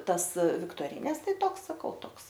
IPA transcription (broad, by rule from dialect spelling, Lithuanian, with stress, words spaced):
ˈtɐs ʋʲɪktoːˈrʲiːnʲɛs ˈtɐɪ ˈtoːks sɐˈkɐʊ ˈtoːks